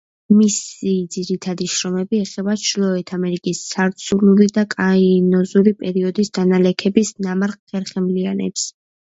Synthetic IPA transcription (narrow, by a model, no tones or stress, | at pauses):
misid̪ziɾit̪ʰad̪iʃɾɔmɛbiɛχɛbaʃʰlˠɔɛt̪ʰamɛɾikʼisːaɾt̪sʰuɾnulid̪akʼainɔzuɾipʼɛɾiɔd̪isd̪analɛkʰɛbisnamaɾqχɛɾχɛmlianɛ̰ps